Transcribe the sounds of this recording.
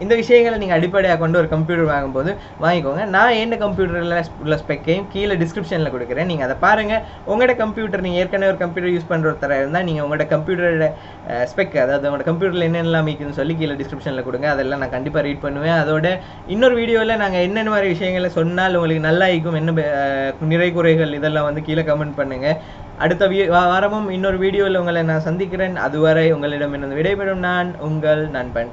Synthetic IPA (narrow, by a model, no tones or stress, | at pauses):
ɪnd̪ɐʋɪʂɐjɐŋɡɐɭniːŋɡɐːɽɪpːɐɽɛjaːkːoːɳɖɯɔɾɯkɐmp̬juːʈɐɾʋaːŋɡɯmpoːðɯ | ʋaːŋɡɪkːoːŋɡɐnãːeːnːɐkɐmpjuːʈɐɾlaslːɐspɛkːejɯ̃mkiːlɐɖɪskɾɪpʂɐnlɐkʊɽɯkːɪɾẽːniːŋɡɐːðɐpaːɾɯŋɡɐ | ʊŋɡɐɪɽɐkɐmpjuːʈɐɾniːŋɡɐeːɾkɐneɔɾɯkɐmpjuːʈːɐɾjuːspɐɳːɾɔɾt̪ɐɾaːɪɾɯnd̪aːniːŋɡɐʊŋɡɐɭɪɽɐkɐmpjuːʈɐɾɽ | spɛkːɐðaːʋɐðɯʊŋɡɐɽɐkɐmp̬juːʈɐɾlɛnːɐɛnːɐlãːmiːkːɯnːɯsɔlːik̬iːlɐɖɪskɾɪpʂɐnɪlɐkʊɽɯŋɡẽɐðɛlːãːnãːkɐɳɖɪpːaːɾiːʈ̚pɐɳːɯʋẽːɐðoːɽɐ | ɪnːoɾɯʋiːɽɪjoːɪlɐnaːŋɡɐɛnːɐɛnːɯmaːɾiʋɪʂɐjɐŋɡɐɭɪlɐsɔnːaːlʊŋɡɐɭɯkːɯnɐlːaːɪɾk̬ːɯmɛnːɐ | nɪɾɐɪkʊɾɐɪɣɐɭɪðɛlːãːʋɐnd̪ɯkiːlɐkɐmɛɳɖpɐɳːɯŋɡɐ | ʔɐ̰ɽɯt̪ːɐʋiʋaʋaːɾɐmɯmɪnːoɾɯʋiːɽɪjoːɪlʊŋɡɐɭnãːsɐnd̪ɪk̬ːɪɾeːnɐ̰ðɯʋaːɾɐɪʊŋɡɐɭɪɽɐmɪnɾɯnd̪ɐʋɪɽɐɪpɛɽɯmnaːnʊŋɡɐɭnaːnpɐɳ